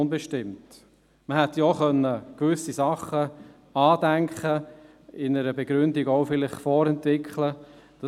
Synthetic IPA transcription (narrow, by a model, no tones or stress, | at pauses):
nbɛʃtɪmt | məhɛt̪jɔχœnːəkʋʏsisɑχːə | ɑːdæŋkχə | ɪnəɾəbɛɡɾʏndiɡɔʊfɪlɪχfɔɾɛntʋɪkχlə | d̥ɑ